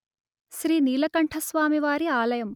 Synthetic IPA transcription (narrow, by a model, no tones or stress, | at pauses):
ʃɾiːniːlɐkɐɳʈʰɐsʋaːmiʋaːɾiaːlɐjɐm